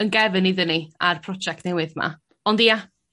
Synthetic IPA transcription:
ənɡɛvɨniðəniarpʰrɔd͡ʒɛk̚tnɛwɨðma̰ | ɔndija

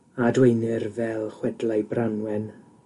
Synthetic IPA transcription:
adwejnɪrvɛlˠχwɛdlajbranwɛn

